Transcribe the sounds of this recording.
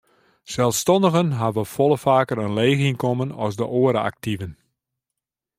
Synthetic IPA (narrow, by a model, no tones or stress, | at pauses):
sɛlˠfstɔndəɣənɦaʋəfɔlˠəfaːkəɾənleːɣinkɔmənɔsdəʔoəɾəa̰k̚tivən